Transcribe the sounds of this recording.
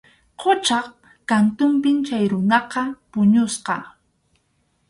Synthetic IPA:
qʰot͡ʃɑχ | kant̪ʊmpɪnt͡ʃajɾʊnɑqɑpʊɲʊsqɑ

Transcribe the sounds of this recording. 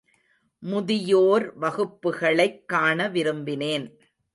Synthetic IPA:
mʊðɪjoːɾʋɐɣɯpːɯɣɐɭɐɪkːaːɳɐʋɪɾɯmbɪneːn

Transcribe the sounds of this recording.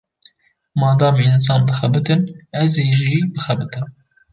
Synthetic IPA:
mɑːnd̪ɑːmins̬ɑːnbɨxɛbɨt̪ɨnɛzeːʒiːbɨxɛbɨt̪ɨn

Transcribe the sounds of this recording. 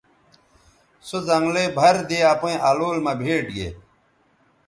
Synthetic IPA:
sozɐŋɡlebʱɐɾd̪eapẽʔaloːlmɐbʱeːʈɡḛ

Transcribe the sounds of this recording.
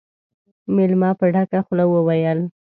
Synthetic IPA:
mɪlmɑpəɖakaxlawəwajəl

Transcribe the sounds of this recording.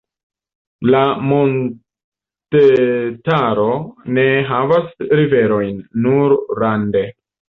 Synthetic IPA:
lamo̞n | tetaɾo̞ne̞ɦavasɾive̞ɾo̞jnːuɾɾande̞

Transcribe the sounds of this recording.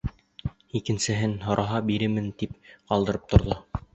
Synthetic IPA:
ikɘ̆nsɘ̆ɦɘnɦŏɾʔɑɦɑbiɾɘmɘnt̪ipqɑlˠd̪ɤ̆ɾɤp̚t̪ŏɾðo

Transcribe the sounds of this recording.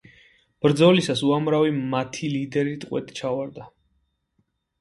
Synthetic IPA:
b̥ɾd̪zɔlisasuamɾavimat̪ʰilid̪ɛɾit̪ʼqʼwɛ̰t̪ʼt͡ʃʰavaɾd̪a

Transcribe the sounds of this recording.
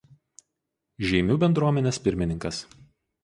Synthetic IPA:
ʒʲɛɪmʲuːbʲɛnd̪ɾuɔmʲɛnʲeːspʲɪɾʲmʲɪnʲɪŋkɐs

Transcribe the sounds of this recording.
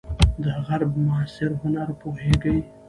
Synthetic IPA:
d̪əɣaɾbmʊasɪɾhʊnaɾpoɦeɡəj

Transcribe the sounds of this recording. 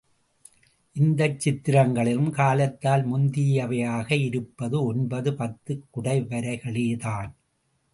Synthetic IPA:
ʔɪnd̪ɐt͡ʃːɪt̪ːɪɾɐŋɡɐɭɪɾɯmkaːlɐt̪ːaːlmʊnd̪ijɐʋɐjaːɣɐɪɾɯpːɐðɯɔnbɐðɯpɐt̪ːɯkːʊɽɐɪʋɐɾɐɪɣɐɭeːðaːn

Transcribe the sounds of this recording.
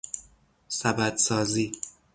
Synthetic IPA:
sæbæd̪sɒːziː

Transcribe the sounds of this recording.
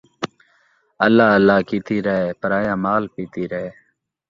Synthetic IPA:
əlːaːəlːaːkiːt̪iːɾəɦeːpəɾaːjaːmaːlpiːt̪iːɾəɦeː

